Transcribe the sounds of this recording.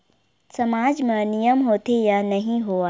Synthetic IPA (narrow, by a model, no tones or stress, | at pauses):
sɐmaːd͡ʒmẽnijəmɦoːt̪ejanɐɦĩɦoːa